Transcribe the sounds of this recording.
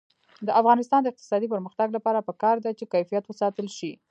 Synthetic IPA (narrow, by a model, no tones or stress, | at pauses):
d̪əʔafɣɑnɪst̪ɑnd̪əɪq̚t̪ɪ̥sɑd̪ipəɾməxt̪aɡlapɑɾapəkɑɾd̪at͡ʃekajfijat̪wəsɑt̪əlʃi